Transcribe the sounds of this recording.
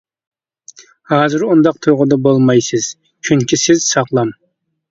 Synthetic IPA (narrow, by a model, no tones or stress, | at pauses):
hɑːzɨɾund̪ɑqt̪ʰujʁʊd̪ɑbolˠmɑjsɨz̥ | kʲʰyŋkʲisɪz̥sɑqlˠɑm